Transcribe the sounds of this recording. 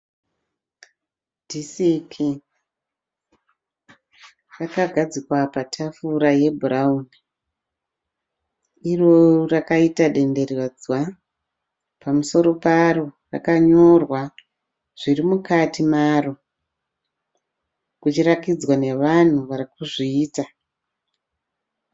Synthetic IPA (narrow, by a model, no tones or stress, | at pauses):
dʱisikʰi | rakaɡʱad͡zikwapatʰafuɾaje̞bʱuɾauːni | irorakaitaɗe̞nde̞rad͡zwa | pamuso̞ɾo̞parora̰kaɲo̞rwa | ʐ̥irimukatimaro | kut͡ʃirakid͡zwane̞ʋan̤uʋarikuʐiːta